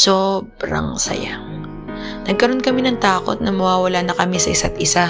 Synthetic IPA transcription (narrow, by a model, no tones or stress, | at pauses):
sobɾɐ̰ŋsɐ̰ja̰ | nɐɡ̚kɐɾo̞nkɐmɪnɐŋt̪aːko̞̰t̪̚nɐmɐwaːwɐlanɐkɐmɪsɐʔɪsat̪ʔɪsa